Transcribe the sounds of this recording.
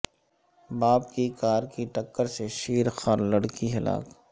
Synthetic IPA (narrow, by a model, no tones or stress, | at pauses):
baːbkikaːɾkiʈɐkːəɾseʃiːɾxaɾlɐɽkiɦɪla̰ːk